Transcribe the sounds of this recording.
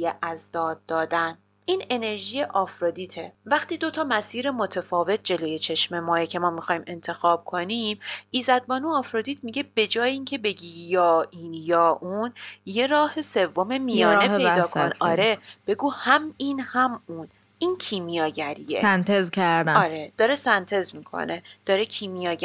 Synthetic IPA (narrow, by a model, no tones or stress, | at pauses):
jeʔæzd̪ɒːd̪̚ːɒːd̪æn | iːne̞ne̞ɾʒiːjeʔɒːfɾɒd̪iːt̪ʰevæxt̪iːd̪o̞t̪ʰɒːmæsiːɾe̞mo̞t̪ʰefɒːve̞t̪̚d͡ʒe̞loːje̞t͡ʃʰe̞ʃme̞mɒːjecʰe̞mɒːmixɒːjime̞nt̪ʰe̞xɒːb̥̚kʰonimʔiːzæd̪̚bɒːnuːɒːfɾod̪iːt̪ʰmiɟe̞b̥e̞d͡ʒɒːjeiːŋcʰe̞be̞ɟiːjɒːʔiːnjɒːʔunje̞ɾɒːhe̞se̞vːo̞me̞mijɒːneed̪ɒːkʰonkɒːɾe̞b̥e̞ɡuːhæmiːnhæmuːn | ʔincʰiːmijɒːɟæɾijḛsænt̪ʰezcʰæɾd̪æɒːɾed̪̥ɒːɾesænt̪ʰe̞zmiːkʰo̰ne̞d̪̥ɒːɾecʰiːmijɒː